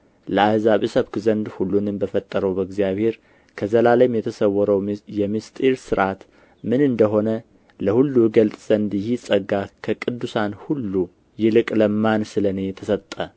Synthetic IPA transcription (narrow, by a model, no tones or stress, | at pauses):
ləahzaβisəβkzənd̪hulːunɨnbəfət̪ʼːəɾəwbəɡzijaβhe̞ɾ | kʰəzəlaləjmjɛt̪ʰəsəwɔɾəwjɛmist̪ʼiɾsɨɾʔat̪ | mɨnɨnd̪əɦo̞nə | ləhulːuɡəlt̪ʼz̥ənd̪jɪhisʼəɡakʰəkʼɨd̪ːusanhulːu | jɪlɨkʼləmːansɨlənejɛt̪ʰəsət̪ʼːə